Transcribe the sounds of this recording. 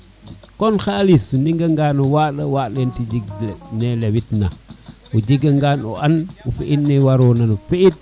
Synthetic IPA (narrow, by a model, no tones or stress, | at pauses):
kɔnxaːlisuniŋɡəŋɡanuwaɗəwaɗentid͡ʒiɡnelewitna | ud͡ʒiɡəŋɡanṵʔanufiʔitniwaɾoːnanufiit̚